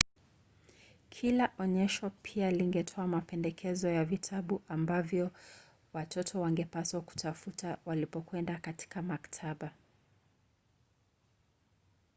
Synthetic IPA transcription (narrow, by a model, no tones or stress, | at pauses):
kʰilaʔɔɲɛʃɔpʰialiŋɡɛtʰɔamapɛndɛkʰɛzɔjavitʰaɓuʔambavjɔ | watʰɔtʰɔwaŋɡɛpaswaku̥tafutawalipɔkwɛndakati̥kamaktʰaɓa